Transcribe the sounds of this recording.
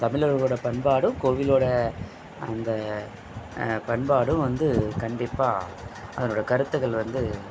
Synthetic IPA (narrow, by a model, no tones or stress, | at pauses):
t̪ɐmɪlɐɾɐɭoːɽɐpɐɳbaːɽɯ̃koːʋɪloːɽɐ | ɐnd̪ɐ | pɐɳbaːɽɯ̃ʋɐnd̪ɯkɐɳɖɪpːaː | ʔɐðɐnoːɽɐkɐɾɯt̪ːɯɣɐɭʋɐnd̪ɯ